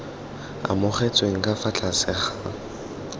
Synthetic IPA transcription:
a̰mʊχet͡sʼweŋ̩kʼafat͡ɬʰʼasɪχa

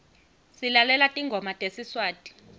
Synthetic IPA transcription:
silalɛlatʼiŋɡʱɔmatʼesiswaːtʼi̥

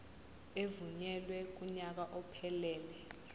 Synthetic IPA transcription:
evuɲɛlwɛk̬ʼuɲak̬aʔɔpʰɛlɛːlɛ

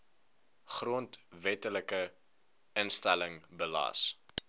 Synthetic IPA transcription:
χruəntvɛtələkə | ənstæləŋbəlɑ̰ːs

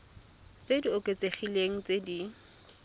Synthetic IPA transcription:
t͡sediʊkʼet͡seχileŋ̩t͡sedi

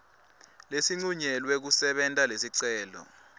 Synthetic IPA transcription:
lesiŋ͡ǀuɲɛlwek̬usɛɓɛntʼalesiǀɛːlɔ̰

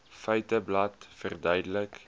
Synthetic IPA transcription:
fœɥtəblɐtfərdœɥdələk

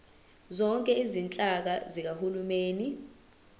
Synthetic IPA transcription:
zɔŋkʼɛizint͡ɬʼak̬azik̬ahulumeːni

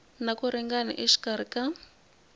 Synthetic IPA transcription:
nakuɾɛŋɡana̰ʔiʂi̥kaɾika

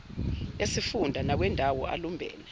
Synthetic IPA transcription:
jesifundʱanak̬wɛndʱawɔa̰lumbʱɛ̰ːlɛ

